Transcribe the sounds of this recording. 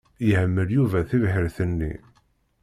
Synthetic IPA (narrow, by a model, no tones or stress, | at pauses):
jəhəmːəljuvæθivhəɾθənːḭ